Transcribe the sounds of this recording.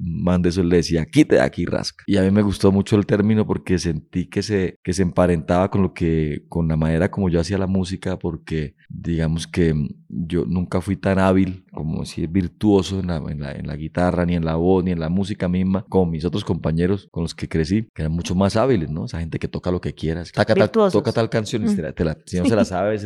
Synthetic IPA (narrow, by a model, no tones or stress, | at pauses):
mand̪oes̬oile̞ðesiakit̪e̞ða̰kira̰skḁiamime̞ɣust̪o̞mut͡ʃo̞e̞lt̪e̞ɾmĩno̞po̞ɾke̞se̞nt̪ike̞seke̞seːmpaɾe̞nt̪aβako̞nlo̞keko̞nlamane̞ɾako̞mo̞ʝo̞asialamusikapo̞ɾke̞ | d̪iɣamo̞ske̞d͡ʒo̞̰nũŋkafwit̪anaβilko̞mo̰siebiɾt̪wo̞soenlaḛnla̰ḛnla̰ɣit̪aranie̞nlaβo̞snie̞nlamus̬ikamizmako̞mo̞mis̬o̞t̪ɾo̞sko̞mpaɲe̞ɾo̞sko̞nloske̞kɾe̞sikeeɾanmut͡ʃomasaβile̞zno̞esahe̞nt̪e̞ke̞t̪okalo̞ke̞kje̞ɾasokat̪at̪ot̪okat̪alkansjoniet̪elasinoselasaβes